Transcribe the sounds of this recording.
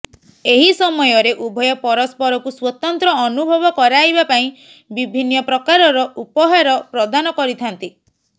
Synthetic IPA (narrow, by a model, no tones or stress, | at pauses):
eɦisɔmɔjɔɾeʔubʱɔjɔpɔɾɔspɔɾɔkuswɔt̪ɔnt̪ɾɔːnubʱɔbɔkɔɾaɦibapaĩ | bibʱinːɔpɾɔkaɾɔɾɔʔupɔɦaɾɔpɾɔd̪anɔkɔɾit̪ʰant̪i